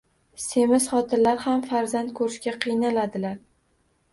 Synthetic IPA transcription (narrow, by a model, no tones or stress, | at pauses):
se̞mɪsχɒt̪ʰɪnlaɾhamfaɾzant̪̚kʰɵɾɪʃkʲaqʰɨjnalad̪ɪlaɾ